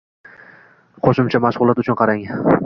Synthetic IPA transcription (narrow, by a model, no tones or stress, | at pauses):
qʰoʃɪmt͡ʃʰamaʃʁʊlˠat̪ʊt͡ʃʰʊnqʰɑɾaŋ